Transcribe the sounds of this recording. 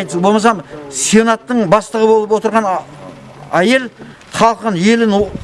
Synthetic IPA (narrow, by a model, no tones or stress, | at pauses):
jt̪bo̞lˠmɑsɑmsionɑt̪ːəɴbɑst̪əʁəbo̞lˠəp̬wo̞t̪əɾʁɑn | æje̞l | χɑlˠqənje̞lɪn